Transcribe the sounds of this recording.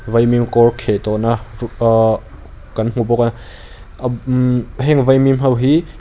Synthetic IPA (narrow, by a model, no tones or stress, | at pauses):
vɐjmimkɔɹkʰeʔt̪ɔʔnɐ | kɐnm̥ubɔka | ɦɛŋvajmimɦɐwɦi